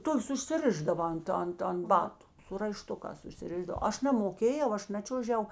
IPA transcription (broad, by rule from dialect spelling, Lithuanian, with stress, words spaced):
ˈtoːkʲeːs ʊʃʲsʲɪˈrʲɪʒdɐʋɐ ˈɐnt ˈɐnt ɐnt ˈbɑːtʊ sʊ rɐɪˈʃtʊkɑːs ʊʃʲsʲɪˈrʲɪʒdɐw ˈɐʃ nɐmoːˈkʲeːjɛʊ ˈɐʃ ˈnɑːt͡ʃʲuɔʒʲɛʊ